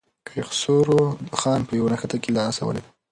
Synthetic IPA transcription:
kʰxsoɾod̪əxɑnpəjawanaxat̪akelɑsawə̰le

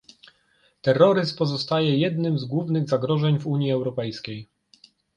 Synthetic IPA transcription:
t̪ɛrːɔɾɘspɔzɔst̪ajɛjɛd̪nɘmzɡwuvnɘɣzaɡɾɔʐɛɲvuɲjiɛwɾɔpɛjskʲej

